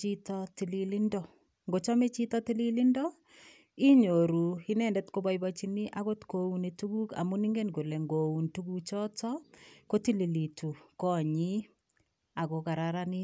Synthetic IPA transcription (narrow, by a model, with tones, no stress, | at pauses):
t͡ʃi˦tɔti˨li˨li˦ndɔ˨ | ŋɡo˨t͡ʃɔ˦me˦t͡ʃi˦tɔ˦ti˦li˦li˦ndɔ˦ | i˦ɲo˨ɾu˨i˦nɛ˨ndɛ˦tko˦bajbat͡ʃi˦ni˦ʔa˦ko˦tkou˦ne˨tuku˦ka̰˨mu˦ni˦ŋɡe˦nku˨le˨ŋɡo˨u˨ntu˦ku˦kt͡ʃɔ˦tɔ˦ko˦ti˦li˨li˨tu˨kɔ˦ɲi˦ | a˨ko˨ka˨ɾaɾani˦